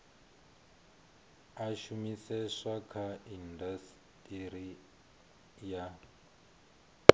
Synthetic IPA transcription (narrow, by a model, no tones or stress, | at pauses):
aʃumisɛʂakʰaindas | tʼiɾi | ja